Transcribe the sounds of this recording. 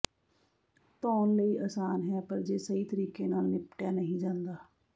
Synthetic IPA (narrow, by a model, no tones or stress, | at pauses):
t̪ɔːnləiːʔaːsaːnɦɛːpəɾd͡ʒeːsəiːt̪əɾiːkeːnaːlnɪpʈjaːnəɦĩːd͡ʒãːnd̪aː